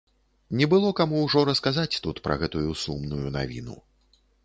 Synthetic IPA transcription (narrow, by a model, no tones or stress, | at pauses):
nʲɛbɨlˠɔkamuwʐɔɾɐskazat͡sʲt̪ut̪pɾɐ̰ɣɛt̪ujusumnujuna̰vʲḭnṵ